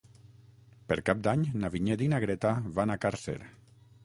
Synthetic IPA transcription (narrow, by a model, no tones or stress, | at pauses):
peɾkap̚d̪aɲnaβiɲed̪inaɣɾet̪aβanakaɾsḛɾ